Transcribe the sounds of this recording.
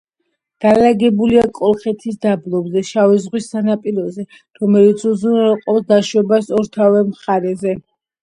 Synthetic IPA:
d̪̥alaɡɛbuliakʼɔlˠχɛt̪ʰis̬d̪ablˠɔbzɛʃavɛzʁwisːanapʼiɾɔzɛ | ɾɔmɛlit̪sʰuzunɛlˠqʼɔpsd̪aʃwɛbasɔɾt̪ʰavɛmχaɾɛzɛ

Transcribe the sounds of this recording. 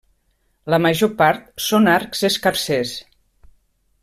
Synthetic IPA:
ləməʒopaɾt̪̚sonaɾkzeskaɾses

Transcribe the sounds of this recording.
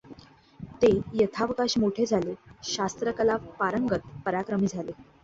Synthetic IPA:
t̪ejət̪ʰaʋkaɕmoʈʰed͡zʱaleɕast̪ɾəkəlapaɾəŋɡət̪̚pəɾakɾəmiːd͡zʱale

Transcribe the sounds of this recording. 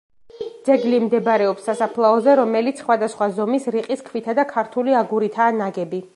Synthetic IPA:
d̪zɛɡlimd̪ɛbɾɛɔpsːasapʰlˠaɔzɛɾɔmɛlit̪sʰχwad̪asχwazɔmisɾiqʼiskʰvit̪ʰad̪akʰaɾt̪ʰuliaɡuɾit̪ʰaːnaɡɛbi

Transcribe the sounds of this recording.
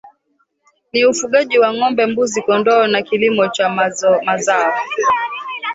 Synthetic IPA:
niufuɠaʄiwaŋɔmbɛmbuzikɔndɔːnakilimɔt͡ʃamazaɔ

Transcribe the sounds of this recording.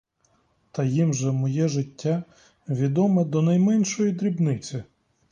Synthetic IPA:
t̪ɐjimʒɛmɔjɛʒɪtʲːa | ʋʲid̪ɔmɛd̪ɔnɐjmɛnʲʃɔjid̪ɾʲibnɪt͡sʲɪ

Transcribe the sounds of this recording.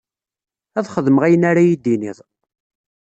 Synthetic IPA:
æðχəðəməʁæjənaɾajid̪ːiniðˤ

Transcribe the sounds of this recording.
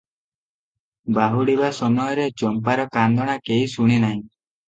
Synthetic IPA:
baɦuɽibasɔmɔjɔɾet͡ʃɔmpaɾɔkand̪ʱɔɽ̃akeɦisuɽ̃inaɦĩ

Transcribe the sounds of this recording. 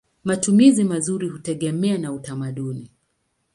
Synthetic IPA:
matumizimazuɾihutɛɠɛmɛanautamaɗuni

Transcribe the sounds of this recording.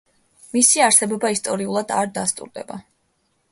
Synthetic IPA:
misiaɾsɛbɔbaist̪ʼɔɾiulˠad̪a̰ɾd̪ast̪ʼṵɾd̪ɛ̰ba

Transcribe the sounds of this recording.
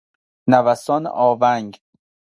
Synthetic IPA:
nævæsɒːnḛʔɒːvæŋɡ

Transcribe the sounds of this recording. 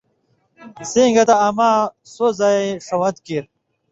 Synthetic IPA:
siːŋɡɐt̪aːmasozaeʂɐwɐt̪kiɾ

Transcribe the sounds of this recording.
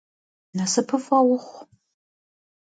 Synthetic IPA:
nɐsɨpʰɨfɐwʊχʷ

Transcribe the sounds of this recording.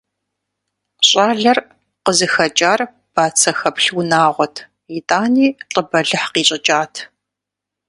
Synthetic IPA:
ɕʼaːɮɐr | qəzɨxɐt͡ʃʼaːr | b̥aːt͡sʰɐxɐpɬwnaːʁʷɔtʰ | itʼaːniːɬʼəbɐɮɨħqiːɕʼɪd͡ʒʼaːtʰ

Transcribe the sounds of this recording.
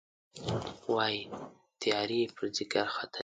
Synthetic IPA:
wɑji | t̪ijɑɾipʰəɾzɪkaɾxat̪a

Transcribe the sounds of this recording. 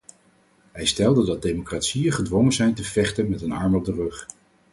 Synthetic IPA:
ɦɛjstɛlˠdədɑt̚dejmokraːtsijəχədʋɔŋəzɛjntəv̥ɛχtənmɛtənɑɹmɔb̚dərɵχ

